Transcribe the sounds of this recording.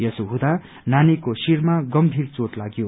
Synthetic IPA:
jʌsuɦũd̪a | nanikosirmaɡʌmbʱirt͡soʈlaɡjo

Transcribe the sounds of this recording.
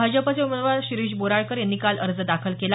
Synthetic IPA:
ad͡ʑəpat͡seumənʋaɕiɾiɕboɾaɭkəɾjanːiːkalʔəɾd͡zəd̪akʰəlkela

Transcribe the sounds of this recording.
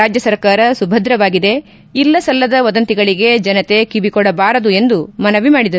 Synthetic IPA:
aːd͡ʒjɐsɐɾkaːɾɐsubʱɐd̪ɾɐʋaːɡid̪e̞ | ilːɐsɐlːɐd̪ɐʋɐd̪ɐnt̪iɡɐɭiɡe̞d͡ʒɐnɐt̪e̞kibikɔɽɐbaːɾɐd̪ue̞nd̪umɐnɐʋimaːɽid̪ɐɾ

